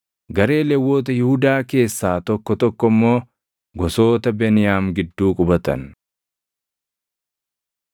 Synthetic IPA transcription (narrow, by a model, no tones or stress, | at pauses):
ɡɐɾe̞ːlɛwːo̞ːt̪̬ɐjɪhʊd̪aːke̞ːsːaːt̪ɔkːɔt̪ɔkːɔmːo̞ː | ɡɔso̞ːt̪ɐbɛnɪjaːmɡɪd̪ːuːkʼʊbɐt̪ɐ̰n